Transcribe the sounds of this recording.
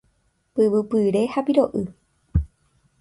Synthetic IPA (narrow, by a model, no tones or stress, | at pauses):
pɨʋɨpɨɾe̞hapiɾo̞ʔɨ